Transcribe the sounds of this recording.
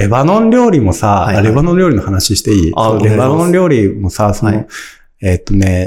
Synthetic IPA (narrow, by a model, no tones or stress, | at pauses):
ɾe̞banõ̞nɾʲo̞ːɾʲimo̞saaɾe̞banõnɾʲo̞ːɾʲino̞hanaɕiɕi̥t̪e̞iːt͡ɕot̪ːoɾe̞banõnɾʲo̞ːɾʲimo̞sasono̞ | eːt̪ːo̞ne̞